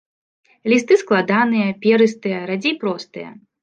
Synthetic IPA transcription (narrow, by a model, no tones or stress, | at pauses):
lʲist̪ɨsklˠad̪anɨjɐpʲɛɾɨst̪ɨjɐɾad͡zʲijpɾɔst̪ɨjɐ̰